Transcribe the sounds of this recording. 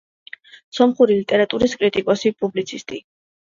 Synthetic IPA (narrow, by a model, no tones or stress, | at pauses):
sɔmχuɾilit̪ʼɛɾat̪ʼuɾiskʼɾit̪ʼikʼɔsipʼublit̪sʰist̪ʼi